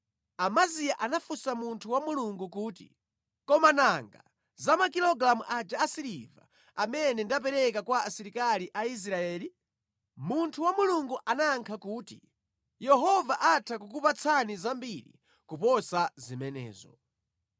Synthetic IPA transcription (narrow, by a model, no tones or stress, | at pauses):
amazijaʔanafusamuntʰuwamuluŋɡukuːtḭ | kɔmanaŋɡa̰ | zamakilɔɡɾamuʔad͡ʒaːsiɾḭva̰ | amɛnɛndap̬ɛɾɛkakwaasiɾikaliʔais̬ɾaɛːli | muntʰuwamuluŋɡuʔanaːŋkʰakuːtḭ | jɛɦɔvaʔatʰakukupat͡sʰanizambiɾḭ | kupɔsazimɛnɛ̰ːzɔ̰